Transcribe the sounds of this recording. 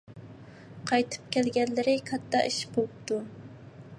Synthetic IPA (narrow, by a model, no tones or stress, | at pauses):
qʰɑjt̪ʰɨ̥p̚kʲʰɛlɡʲɛnlɪɾɪkʰɑt̪ʰːɑ̰iʃbolˠɨp̚t̪u